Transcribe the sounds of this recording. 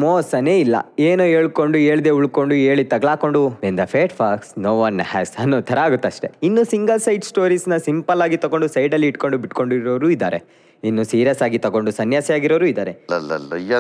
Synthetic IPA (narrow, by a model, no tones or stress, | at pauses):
moːsɐneːilːɐ̰eːnoːeːɭko̞ɳɖue̞ːɭd̪euɭko̞ɳɖueːɭit̪ɐɡɭaːko̞ɳɖuʋend̪ɐpʰeːʈfʰaksnoːʋɐnhæzɐnːoːt̪ʰɐɾɐaːɡut̪ːɐʂʈe̞̰inːusiŋɡɐlsɐjɖsʈo̞ːɾiːsnɐsimpɐlaːɡit̪ɐɡo̞ɳɖusɐjɖɐlːiːʈko̞ɳɖubiʈko̞ɳɖuɾoʋɾuːid̪ːaːɾe | inːusiːɾijɐsaːɡit̪ɐɡoɳɖusɐnjaːsɛjaːɡiɾoːɾuːid̪aːɾelɐl